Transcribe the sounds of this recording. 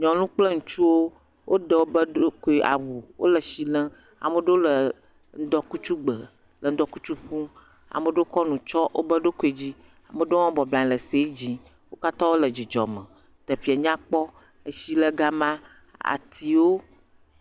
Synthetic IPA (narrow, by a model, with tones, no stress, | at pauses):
ɲɔ̃˨lũ˦k͡plə˦ŋũ˨t͡ʃu˦wo˦ | wʔo˦ɖə˨wo˦bə˦ɖo˦ko˨e˨ʔa̰˨wu˨wo̰˦lə˨si˨lə̃˦ | a̰˨mə˨ɖo˦lə˨ | n̩˦d̪ɔ˦ku˦t͡ʃu˦ɡ͡bə˨ | lə˨n̩˦d̪ɔ˦ku˦t͡ʃu˦ɸũ˦ | a̰˨mə˨ɖo˦kɔ˦nũ˨t͡ʃɔ˦wʔo̰˦bə˦ɖo˦ko˨e˨d͡ʑi˦ | a˨mə˨ɖo˦ɔ̃˦bɔ˨blã˨ɲ˨lə˨se˦d͡ʑi˦ | wo˦ka˦t̪ɔ˦wo˦lə˨d͡ʑi˨d͡ʒɔ̰˨mə̰̃˨ | t̪ə˨fi˨a˨ɲã˦k͡pɔ˦ | ə˨si˦lə˦ɡa˦mã˦ | a̰˨t̪ʰi˨wo˦